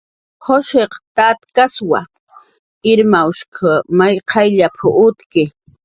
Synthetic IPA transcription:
hoʃeqt̪at̪kaswa̰ | ɪɾmaʊʃkʰamajqʰɑjʎapʰʊʔʊt̪kɪ

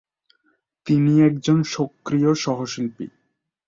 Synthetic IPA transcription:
t̪iniɛk̚d͡ʑonʃokːɾioʃɔɦoʃilpḭ

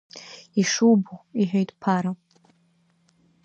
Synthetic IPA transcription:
iʂubuiħʷᶣejtʼpʰaɾa

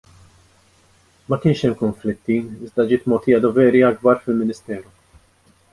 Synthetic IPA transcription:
mɐkɪːnʃɛmkʊɱflɪt̪ːiɪzd̪ɐd͡ʒɪːt̪̚mɔːt̪ɪːjɐd̪ɔvɛːɾiɐɡbɐɾfɪlmɪnɪst̪ɛːɾɔ

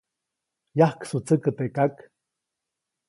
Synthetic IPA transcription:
jahksut͡səkət̪ekak

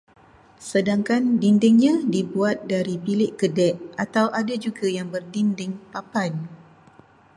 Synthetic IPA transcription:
sədaŋkandindɪŋɲãdibuat̪̚daɾipilɪʔkədɛʔat̪awʔadad͡ʒuɡajaŋbərdindɪŋpapan

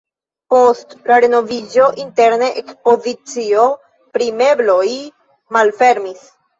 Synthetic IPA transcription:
po̞stlaɾe̞no̞vid͡ʒo̞ʔinte̞ɾneʔekspo̞zit͡sio̞ | pɾime̞blo̞j | malfe̞ɾmis

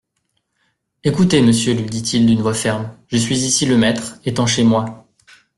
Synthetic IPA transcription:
ekut̪eməsjølɥid̪it̪ʰild̪ynvwafɛʁmʒəsɥizisiləmɛt̪χet̪ɑ̃ʃemwa

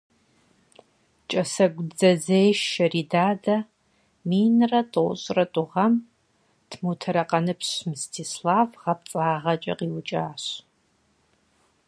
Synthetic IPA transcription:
t͡ʃʼɐsɐɡʷd͡zɐzeːjʃɐriːdaːdɐ | miːnrɐtʼoɕʼrɐtʷʼʊʁɐm | tʰmuːtʰɐɾɐqʼɐnɨpɕmɨstʰiːslaːvʁɐp̚t͡sʼaːʁɐt͡ʃʼɐ̰qiːwʊt͡ʃʼaːɕ

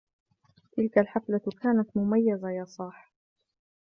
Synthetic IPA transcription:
t̪ɪlkalħaflakaːnat̪mʊmajːazajɑːsˤɑːħ

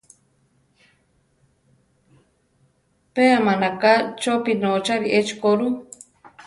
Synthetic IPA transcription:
peamanakat͡ʃopinot͡ʃaɾiʔet͡ʃkoɾu

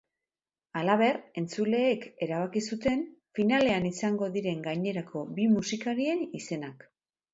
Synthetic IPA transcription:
alaβe̞re̞nt͡sule̞ːke̞ɾaβ̞akisut̪e̞nfinale̞anisaŋɡo̞ðiɾe̞ŋɡajɲe̞ɾakʰo̞bimusikaɾie̞nise̞nak

